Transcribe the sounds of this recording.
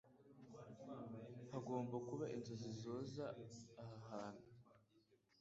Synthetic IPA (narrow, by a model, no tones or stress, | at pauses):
haɡo̞ːmbakuβaʔinzozizo̞ːzaːhaɦaːn̥u